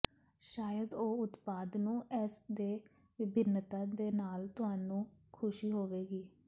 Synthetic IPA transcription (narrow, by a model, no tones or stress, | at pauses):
ʃaːjəd̪oːʊt̪paːd̪nũːʔɛːsd̪eː | ʋɪbʱɪnːət̪ãːd̪eːnaːlt̪ʊɦaːnũːkʰʊʃiːɦoːʋeːɡiː